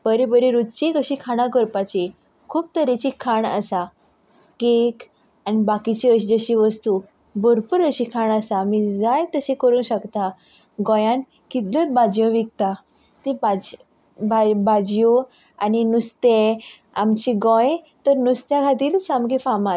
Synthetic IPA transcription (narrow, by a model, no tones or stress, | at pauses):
b̥əɾebəɾeɾud̪t͡ɕikəɕiːkʰaɽ̃ãkəɾpat͡ɕe | kʰuːp̚t̪əɾet͡ɕikʰaɳə̰sa | kek | anibakit͡ɕiəɕid͡zəɕiʋəst̪u | boɾpuɾəɕikʰaɳəsamid͡zajt̪əɕẽkəɾũːnɕəkt̪a | ɡɔ̃jãn | kit̪lət͡s̪bad͡ʑjɔ̃ʋik̚t̪a | t̪ebad͡ʑ | babad͡ʑjo | a̰ninust̪e | amt͡ɕiɡɔ̃j | t̪əɾnust̪jakʰat̪̬iːlsamɡefama